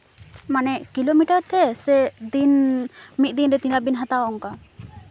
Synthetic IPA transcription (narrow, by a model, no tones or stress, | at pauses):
manɛʔkilomiʈaɾt̪ʰɛsɛd̪inmit̪̚d̪inɾɛt̪ĩnabinɦat̪aɔŋka